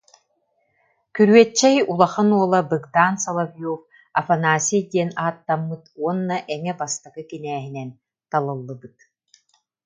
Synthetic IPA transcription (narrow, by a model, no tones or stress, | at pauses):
kyɾyɛt͡ɕːɛjulˠaχanuɔlˠabɯɡd̪aːnsɐlˠavijuf | ɐfanaːsʲijd̪iɛnaːt̪ːamːɯt̪uɔnːaʔɛŋɛbast̪aɡɯkinɛːɦinɛn | t̪alˠɯlˠːɯbɯt̪̚